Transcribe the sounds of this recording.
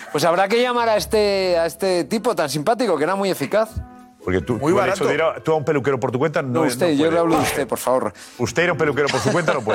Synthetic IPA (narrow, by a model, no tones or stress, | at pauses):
pwe̞s̬aβɾake̞ʝamaɾaest̪eaest̪e̞t̪ipo̞t̪ansimpat̪̬iko̞keeɾamuje̞fikaθ | poɾket̪umuasoðiɾat̪uaumpe̞lukeɾopoɾt̪̬ukwent̪anoust̪eʝolaβluðust̪e̞po̞ɾfaβo̞ɾ | ust̪eiɾaũmpe̞lukeɾopoɾs̬ukwent̪anop̬we